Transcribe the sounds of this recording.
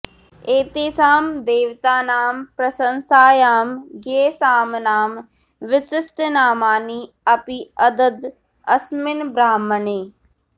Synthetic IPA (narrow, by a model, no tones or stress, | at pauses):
eːt̪eːsaːmd̪eːʋt̪aːnaːmpɾɐsənsaːjaːmɡeːsaːmnaːm | ʋɪsɪsʈnaːmaːniː | ɐpiɐd̪əd̪ | ɐsmɪnbɾaːmːəneː